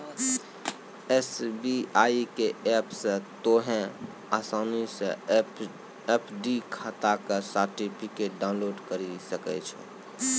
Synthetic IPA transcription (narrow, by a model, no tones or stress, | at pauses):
esbiaikeɛpsə̃t̪oɦẽ | asanisẽ | epʰɖikʰat̪akesaɾʈipʰikeʈ̚ɖaʊ̃nloɖkəɾisəkɛ̰t͡ʃʰɛ̰